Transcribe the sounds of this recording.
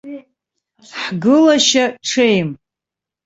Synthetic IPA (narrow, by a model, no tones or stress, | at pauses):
ħɡɨlaʃaʈ͡ʂʰejm